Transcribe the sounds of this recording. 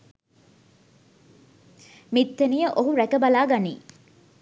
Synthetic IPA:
mit̪ːenijəʔoɦuɾækɐbɐlaːɡanḭː

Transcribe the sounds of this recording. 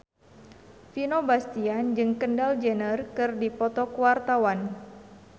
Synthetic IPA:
finobast̪iand͡ʒɨŋkəndald͡ʒənərkɨrdipɔt̪ɔkuwart̪awan

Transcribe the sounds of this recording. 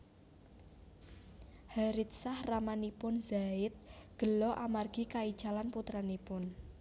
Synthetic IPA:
haɾɪt̪̚sahramanipʊnzaɪt̪̚ɡ̥ə̤lɔʔamarɡ̥i̤kaid̥ʒ̥alanput̪ɾanipʊn

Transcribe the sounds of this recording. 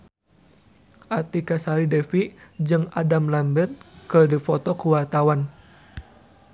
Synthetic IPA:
ʔat̪ikasalidɛfid͡ʒɨŋa̰damlambɛt̪̚kɨrdifɔt̪ɔkuwart̪awan

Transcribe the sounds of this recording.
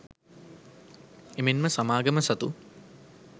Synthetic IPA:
emenməsamaːɡəməsɐt̪u

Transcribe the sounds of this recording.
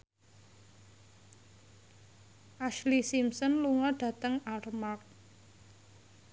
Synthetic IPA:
ʔaʃlisimsɔnluŋɔɖ̥ä̤t̪əŋarmak̚

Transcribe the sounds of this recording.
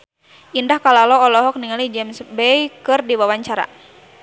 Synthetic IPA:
ʔindahkalalɔːlɔɦɔk̚niŋalid͡ʒɛmsbɛjkɨrdiwawaɲt͡ʃaɾa̰

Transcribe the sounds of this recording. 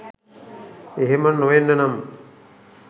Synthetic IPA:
eɦemənoʋenːənam

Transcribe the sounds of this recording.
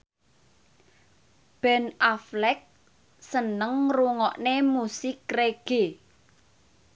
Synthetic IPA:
b̥ɛnaflɛk̚ | sənəŋruŋɔʔnemusɪkreɡ̥e̤

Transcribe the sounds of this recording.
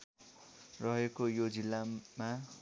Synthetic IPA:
rʌɦekojod͡zilːama

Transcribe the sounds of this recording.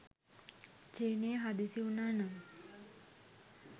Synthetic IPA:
t͡ʃeːnejəɦad̪isiunaːna

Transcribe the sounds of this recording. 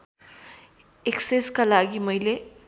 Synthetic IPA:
ekseskalaɡimʌjle

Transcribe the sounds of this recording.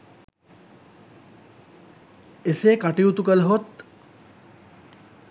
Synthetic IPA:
eseːkaʈiut̪ukələɦot̪

